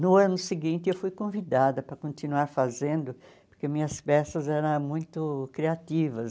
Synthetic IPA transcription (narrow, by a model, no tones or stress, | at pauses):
nʊɐ̃nʊsɪɡĩnt̪ɪewfujkõvid̪ad̪ɐpɾɐkõnt̪inuaɾfazẽnd̪ʊpoɾkemĩɲɐspɛsɐzɛɾɐ̃mũj̃t̪ʊkɾiat̪ivɐs